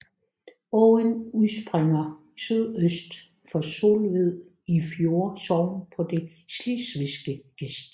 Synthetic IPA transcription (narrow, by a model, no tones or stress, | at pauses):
ɔənusb̥ʁeŋɐ | syðˠøsd̥ | fɒ̽so̝̰lʋið̰ˠ | ifjo̝ːɐsɒʊ̰n̩pʰɒ̽d̥e̝ | slisʋisɡ̥əɡ̥esd̥